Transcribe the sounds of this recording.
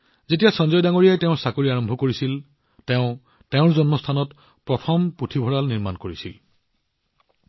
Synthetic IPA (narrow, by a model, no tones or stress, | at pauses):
zetijasɔnzɔjdaŋoɹijajtɛ̃ʊ̃sakoɹiaɹɔmbʱɔkoɹisil | tɛʊ̃ | tɛʊ̃ɹzɔnmɔstʰanɔt | pɹɔtʰɔmputʰibʱɔɹalniɹmankoɹisil